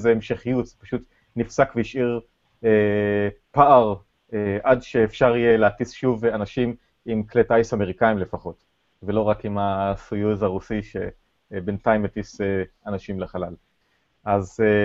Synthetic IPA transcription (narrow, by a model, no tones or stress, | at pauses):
zeemʃeχijutzepaʃut | nifsakveiʃiʁ | e | paʔaʁ | eʔadʃeːfʃaʁijeleatisʃuvanaʃim | imkletajsame̞ʁikaimlefaχo̞t | velo̞ʁakimasujuzaʁusiʃḛ | bentaimetiseanaʃimleχalal | ʔaz